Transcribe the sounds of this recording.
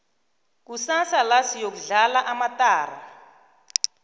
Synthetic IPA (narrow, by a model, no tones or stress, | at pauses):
k̬usasalasijok̬uɮalaʔamatʼaːra̰